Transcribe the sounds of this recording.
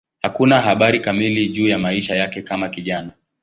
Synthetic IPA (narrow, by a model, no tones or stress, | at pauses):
hakunaɦaɓaɾikamiliʄuːjamaiʃajakɛkamakiʄana